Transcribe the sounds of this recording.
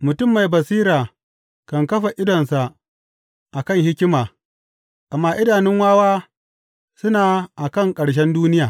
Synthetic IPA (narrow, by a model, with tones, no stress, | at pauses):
mʊ˨tʊ˦mːa˨jbɐ˨siː˦ɾaː˨ | kɐ˨ŋkɐ˦ɸa˨ʔɪ˦dɔ˨nsa˨ʔ | ʔa˨kɐ˦˨ŋhɪ˦kʲɪ˦maː˨ | ʔa˨mːaː˦ʔɪ˦daː˨nɪ˦ŋwaː˦waː˦ | sʊ˦naː˨ʔa˨kɐ˦˨ŋkʼɐ˨ɽʃ̬ɛ˦nduː˦nɪ˦jaː˨